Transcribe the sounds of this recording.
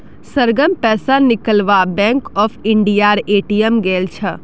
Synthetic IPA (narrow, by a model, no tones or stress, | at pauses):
səɾɡəmpɛːsanɪkəlʋabɛ̃ŋkɔpʰiɳɖijaɾeːʈijəmɡelt͡ʃʰə